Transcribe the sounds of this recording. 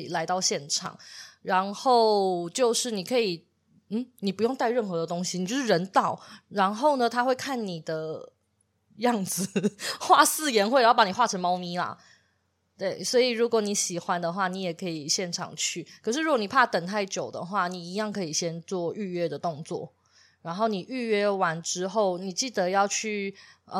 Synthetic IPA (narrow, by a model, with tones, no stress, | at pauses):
i˨˩la˧˥ɪt̪ɑ˥˧ʊɕjɛ˥˩nʈ͡ʂʰɑ̰˨˩ŋɻa˧˦˥nxo˥˩ʊt͡ɕjo˥˧ʊʂɻ̩˥˩ni˨˩kʰɤ˧˥i˨˩ | n̩˥˩ni˨˩pu˧˥jo˥˧ŋt̪a˥˧ɪɻə˥˩nxɤ˧˥d̪ə˧t̪o˥ŋɕi˨n˨t͡ɕo˥˧ʊʂɻ̩˥˧ɻə˧˦˥nt̪ɑ˥˩˦ʊɻa˧˥nxo˥˩ʊnə˩t̪ʰa˥xwe˥˧ɪkʰa˥˩nni˨˩d̪ə˦ | jɑ˥˩ŋd͡zɹ̩˨˩xwa˥˧sɹ̩˥˩jɛ˧˥nxwe˥˩a˧˥˩pa˧˥ni˨˩xwa˥˩ʈ͡ʂʰə˧˥ŋmɑ˥ʊmi˧˥la̰˨ | t̪we˥˩ɪswɔ˧˥i˨˩ɻu˧˥kwɔ˨˦ni˧˥ɕi˨˩xwa˦nd̪ə˨xwa˥˩ni˧˥jɛ˨˩kʰɤ˧˥i˨˩ɕjɛ˥˩nʈ͡ʂʰɑ̰˨˩ŋt͡ɕʰy˥˩kʰɤ˨˩ʂ̬ɻ̩˥˩ɻu˧˦kwɔ˧˦ni˨˩pʰa˥˧˩t̪ə˨˩ŋt̪ʰa˥˩ɪt͡ɕjo˨˩ʊd̪ə̰˩xwa˥˩ni˨˩i˧˥jɑ˥˩ŋkʰɤ˧˥i˨˩ɕjɛ˦˥nt͡swɔ˥˧y˥˧ɥɛ˥˧d̪ə˩t̪o˥˧ŋt͡swɔ̰˥˩ | ɻa˧˥nxo˥˩ʊni˨˩ʔy˥˧ɥɛ˥˩wa˧˥nʈ͡ʂɻ̩˦xo˥˩ʊni˨˩t͡ɕi˥˩d̪ə˨˦jɑ˥˧ʊt͡ɕʰy˥˩ə˨